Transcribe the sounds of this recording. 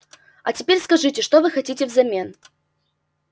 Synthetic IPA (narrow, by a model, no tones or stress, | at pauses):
ɐ̰t͡sʲɛpʲerʲskaʐɨt͡sʲɛʂt̪ɔvɨxat͡sʲit͡sʲɛvzamʲɛn